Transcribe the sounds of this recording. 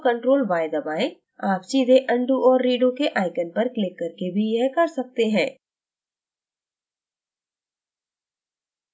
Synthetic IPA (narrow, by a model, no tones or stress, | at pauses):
kɐ̃ɳʈɾoːlbaːɪd̪ɐbaːẽ | aːpt͡ʃiːzeʔɐ̃ɳɖuʔɔːɾːiːɖokeʔaːɪkənpɐɾklɪkːɐɾkebʱijɛɦkɐɾsɐk̚t̪eɦɛ̃ː